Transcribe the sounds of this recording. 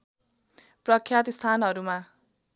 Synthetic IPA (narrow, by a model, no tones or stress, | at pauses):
prʌkʰjat̪ist̪ʰanɦʌɾuma